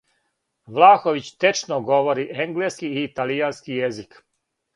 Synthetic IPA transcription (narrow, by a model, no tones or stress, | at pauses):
ʋlˠaːxoʋit͡ɕt̪et͡ʃnoɡo̞ʋoɾiʔeŋɡleːskiiːt̪alijanskijezik